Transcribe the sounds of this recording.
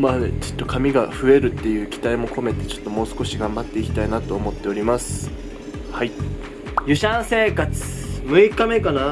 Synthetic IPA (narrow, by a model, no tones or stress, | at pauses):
mat͡ɕo̥t̪ːo̞kʰamʲiɡaɸɯ̟e̞ɾɯ̟t̪ːe̞jɯ̟ːkʲi̥t̪aimo̞kʰo̞me̞t̪e̞t͡ɕo̞̥t̪ːo̞mo̞ːsɨ̥ko̞ɕiɡãmbat̪ːe̞ikʲi̥t̪ainat̪o̞ːmo̞t̪ːe̞o̞ɾʲimasɨ̥ | hai | jɯɕãɰ̃se̞ːkat͡sɨ̥mɯ̟ikame̞kana